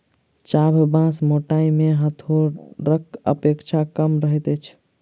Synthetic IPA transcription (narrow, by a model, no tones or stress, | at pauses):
t͡ʃabʱbãsmoʈaimeɦət̪ʰoɾəkə̰pekt͡ʃʰakəmɾəɦɛt̪ɛt͡ʃʰ